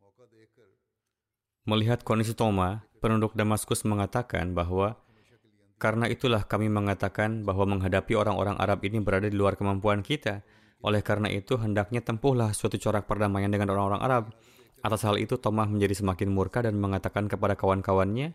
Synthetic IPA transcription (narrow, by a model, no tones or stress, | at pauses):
məliɦat̪̚kɔndis̬it̪omapənudʊk̚damaskʊsməŋat̪aka̰nbaɦwa | kaɾənaʔit̪ulahkamiməŋat̪akanbaɦwaməŋɦadapioɾaŋo̰ɾaŋʔa̰ɾabinibəɾadadiluarkəmampuankit̪a | ʔolɛhkaɾəna̰ʔit̪uɦəndak̚ɲat̪əmpʊhlahsuat̪ut͡ʃoɾak̚pərdamajandəŋanoɾaŋoɾaŋʔa̰ɾab̚ | ʔat̪ashalḭt̪ut̪omahməɲd͡ʒadisəmakɪnmurkadanməŋat̪akankəpadakawankawanɲa